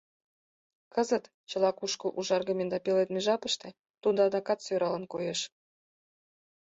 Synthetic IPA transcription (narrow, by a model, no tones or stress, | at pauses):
kɤ̆zə̆t̪ | t͡ɕɤ̆lˠɑkuʃkɤ̆ʔuʒɑrɣɤmʲend̪ɑpelet̪meʒɑpə̆ʃt̪ĕ | t̪und̪ɑd̪ɑkɑt̪søɾɑlə̆nkojeʃ